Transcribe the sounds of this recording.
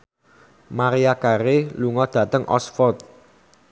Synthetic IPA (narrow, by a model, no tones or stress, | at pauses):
maɾiakaɾeluŋɔd̪̥ä̤t̪əŋʔɔ̰sfɔrt̪̚